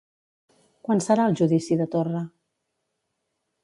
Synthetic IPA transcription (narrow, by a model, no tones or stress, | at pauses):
kwansəɾaəlˠʒuðisiðət̪orə